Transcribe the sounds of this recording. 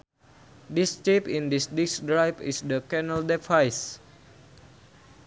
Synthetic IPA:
dist͡ʃepĩndisdiksdɾajpḭsdəkɛnəldɛfajs

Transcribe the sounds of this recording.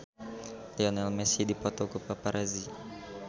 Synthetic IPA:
lɛɔnɛlmɛsidipɔt̪ɔkupapaɾʔazi

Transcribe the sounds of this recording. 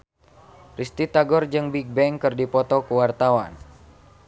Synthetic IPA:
rist̪it̪aɡɔrd͡ʒɨŋbiɡ̚bɛŋkɨrdipɔt̪ɔkuwart̪awan

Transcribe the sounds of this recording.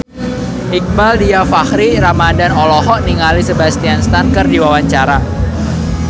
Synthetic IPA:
ʔik̚baldiafahɾiɾamadanɔlɔɦɔʔniŋalisəbast̪ianst̪ankərdiwawaɲt͡ʃaɾa

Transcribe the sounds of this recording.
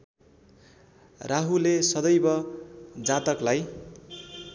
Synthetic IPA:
raɦulesʌd̪ʌjbʌd͡zat̪ʌklaj

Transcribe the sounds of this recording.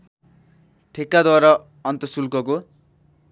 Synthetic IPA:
ʈʰekːad̪waɾʌ | ʌnt̪ʌsulkʌko

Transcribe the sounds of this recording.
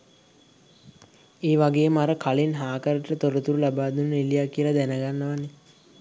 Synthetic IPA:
eːʋaɡeːmaɾəkʰalinɦaːkəɾəʈəʈət̪oɾət̪uɾulabaːd̪unːilijakːijəlad̪ænəɡanːəʋane

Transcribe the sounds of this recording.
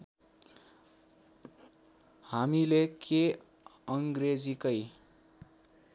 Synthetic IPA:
hamileke | ʌŋɡred͡zikʌj

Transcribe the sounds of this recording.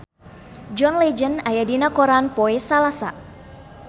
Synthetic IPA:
d͡ʒɔnlɛd͡ʒənajadinakɔɾanpɔɛsalasa

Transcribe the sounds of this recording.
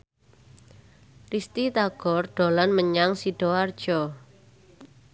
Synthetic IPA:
rist̪it̪aɡ̥ɔrɖ̪̥ɔ̤lanməɲaŋsiɖ̥ɔard̥ʒ̥ɔ

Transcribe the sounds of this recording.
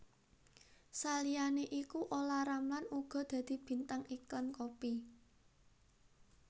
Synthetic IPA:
salijaneʔikuʔolaɾamlanuɡ̥ɔ̤d̪̥ä̤d̪̥i̤b̥i̤nt̪aŋiklankopi

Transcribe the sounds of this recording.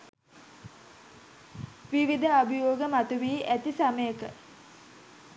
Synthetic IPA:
ʋiʋid̪əabijoːɡəmat̪uʋiːʔæt̪isaməjəkə

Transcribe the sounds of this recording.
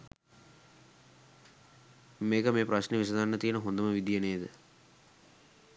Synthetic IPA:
meːkəmeːpɾaʃneʋis̬ɐd̪anːət̪ijənəɦond̪əməʋid̪ijeɐneːd̪ə

